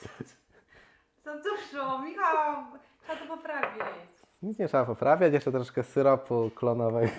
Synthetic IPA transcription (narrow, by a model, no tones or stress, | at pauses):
sɔd̪uʂɔmʲixatʂɛbat̪ɔpɔpɾavʲa | ɲit̪sɲɛtʂɛbapɔpɾavʲjat͡ɕjɛʂt͡ʂɛt̪ɾɔʂkɛsɨɾɔpuklɔnɔvɛk